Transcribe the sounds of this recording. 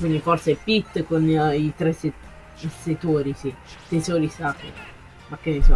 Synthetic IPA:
kwind̪ifɔrseɛpːit̪ːkonit̪ɾese | set̪oːɾisit̪esoːɾisaːkḛ | makːenːesɔ

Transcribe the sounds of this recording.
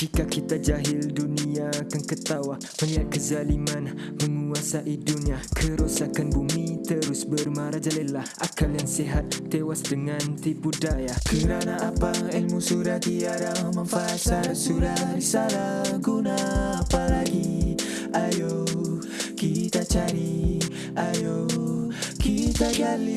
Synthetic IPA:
d͡ʒikakit̪ad͡ʒaɦɪlduniakaŋkət̪awa | məliat̪̚kəzaliman | məŋuasaʔiduniakʰəɾosakanbumit̪əɾʊsbərmaɾad͡ʒalɛnlahʔakaljaŋsɛɦat̪̚ːewasdəŋant̪ibudajakəɾanaapaɛlmusuɾat̪iaɾaməŋfasaɾasuɾaɾisaɾaɡunaːpalaɡi | ajo | kit̪at͡ʃaɾi | ajo | kit̪ad͡ʒali

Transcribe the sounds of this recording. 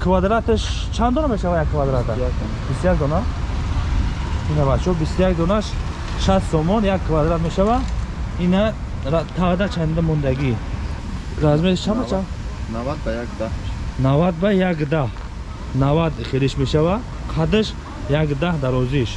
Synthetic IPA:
kʰvad̪ɾat̪əʃ | t͡ʃʰand̪ɔnameʃavajakʰːvad̪ɾat̪a | bist̪jak̚d̪ɔna | inavat͡ʃʰɔbist̪ujakd̪ɔnaʃ | ʃast̪sɔmɔnjakʰːvad̪ɾat̪meʃavaina | t̪ʰavd̪at͡ʃʰand̪amɔnd̪aɡi | ɾazmet̪ʃt͡ʃʰambat͡ʃʰanavad̪̚bajakd̪ahnavad̪̚bajakd̪ah | navad̪χeliʃmeʃava | qʰad̪əʃ | jakd̪ahd̪aɾɔziʃ

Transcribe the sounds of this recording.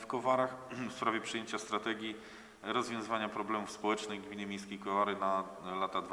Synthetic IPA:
fkɔvaɾaxfspɾavʲjɛpʂɛjeɲt͡ɕast̪ɾat̪ɛɡʲji | ɾɔzvʲjɔ̃zɘvaɲapɾɔblɛmufspɔwɛt͡ʂnɘjɡmʲiɲɛmʲjejskʲejkɔvaɾɘna | lat̪ad̪v

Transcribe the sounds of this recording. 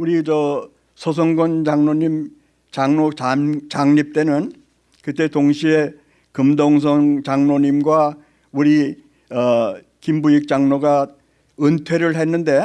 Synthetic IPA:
uɾid͡ʑʌ | sʰʌs̬ʰʌŋɡʌnd͡ʑaŋnoɲim | t͡ɕaŋnot͡ɕat͡ɕaŋɲip̚t͈e̞nɯn | kɯt͈e̞toŋɕʰie | kɯmdoŋsʰʌŋt͡ɕaŋnoɲimɡwa | uɾi | ʌ | kimbuik̚t͡ɕ͈aŋnoɡa | ɯntʰwe̞ɾɯɭɦe̞nːɯnde̞

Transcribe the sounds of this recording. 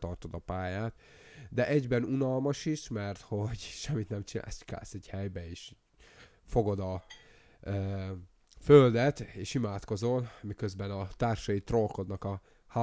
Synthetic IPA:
t̪ɒrt̪o̞d̪ɒpaːjaːt̪ | d̪ɛʔɛɟbɛnunɒlmɒʃiʃmɛrt̪ho̞ɟʃɛmːit̪nɛmt͡ʃina̰ːlska̰ːlsɛɟhɛjbɛeːʃ | fo̞ɡo̞d̪ɒ | føld̪ɛt̪eːʃimaːt̪ko̞zo̞nmikøzbɛnɒt̪aːrʃɒjit̪rolko̞d̪nɒkɒ | ha

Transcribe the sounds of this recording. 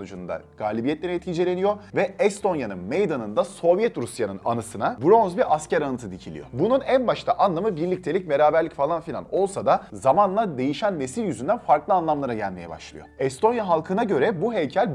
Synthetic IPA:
ud͡ʒund̪a̰ɡ̥aːlʲibijɛt̪lʲeɾɛɛt̪cʰid͡ʒe̞lʲe̞nijo̞vɛɛst̪ʰo̞njanɯnmejd̪anɯnd̪aso̞vjɛt̪ɾusjanɯna̰nɯsɯnabɾo̞nzbiɾʔascæɾanɯt̪ʰɯd̪icʰilʲḭjo̞̰bununænbaʃt̪ʰaʔanlˠamɯbiɾlʲic̚t̪ʰe̞lʲic̚me̞ɾaːbæɾlʲicfalˠanfilʲa̰no̞lˠsad̪azamanlˠad̪e̞jiʃænːe̞silʲjyzynd̪ænfaɾklˠɯanlˠamlˠaɾaɟælʲme̞jɛ̰ba̰ʃlˠɯ̰jo̞̰ɛst̪ʰo̞njaɦalˠkʰɯnaɟø̞ɾɛbuɦejcʰælʲ

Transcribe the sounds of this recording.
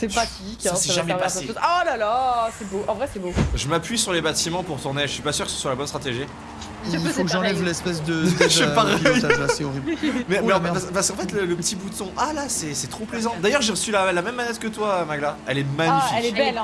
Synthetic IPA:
sɛpχat̪iksɛʒamɛpasealalasɛboʔɑ̃vʁɛsɛboʒəmapɥisyʁlebat̪imɑ̃puʁt̪uʁneʒəsɥipasyʁkə̥sə̥swalabɔnst̪χat̪eʒi | ɔ̃kʒɑ̃lɛvlɛspɛs̬d̪əɛpaʁɛjaseɔʁibmɛmɛ̃pɛpaspaʁskɑ̃fɛt̪lələpət̪ʰibut̪ɔ̃ʔalasɛsɛt̪χoplezɑ̃d̪ajœʁʒeʁəsylalamɛmːanɛt̪kət̪wamaɡlaɛlɛmaɲifiklɛbɛl

